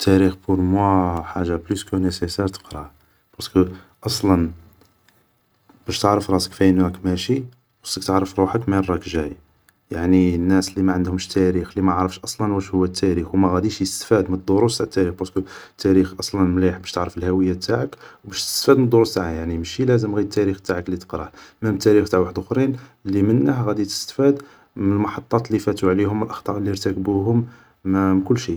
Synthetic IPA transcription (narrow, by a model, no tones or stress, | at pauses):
t̪ʰːæɾixboɾmwæħaʒːabluskənæsesæɾt̪ə̥qɾˤɑ | b̥ɑskə | ʔɑsˤlɑn | b̥æʃt̪əʕɾəfɾˤɑsə̥kfæjənækmæʃi | wɑsːək̚t̪əʕɾəfɾˤuħəkmæɾˤːɑkʒæj | jaʕniənːæslimæʕənd̪hʊmʃt̪ʰæɾixlimæʕɾˤəfʃʔɑsˤlɑnwæʃhʊwːæt̪ʰːæɾixwmæɣæd̪iʃjəst̪fæd̪mənəd̪ˤːoɾust̪aʕət̪ːæɾixbɑɾskət̪ːæɾixʔɑsˤlɑnmliħbæʃt̪əʕɾəfəlhæwəjːat̪ʰːaʕəkwbæʃt̪ə̥st̪fæd̪mənd̪ˤːoɾust̪aʕajaʕnimʃilæzəmɣid̪̚t̪ːæɾixt̪aʕəklːit̪ə̥qɾɑhməmt̪ːæɾixt̪aʕwaħəd̪ʊxɾinlːimənːəhɣæd̪it̪ə̥st̪fæd̪ | məəlmɑħɑt̪ˤːɑt̪lifæt̪uʕlihʊmːəlʔɑxt̪ˤɑʔlːiɾt̪ækəbuɦʊm | mkʊlːʃi